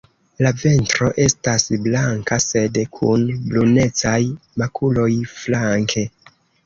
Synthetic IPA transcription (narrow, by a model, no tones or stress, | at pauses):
lave̞ntɾo̞ʔe̞stasblaŋkase̞dkʰunblune̞t͡sajmakʰulo̞jflaŋkʰe̞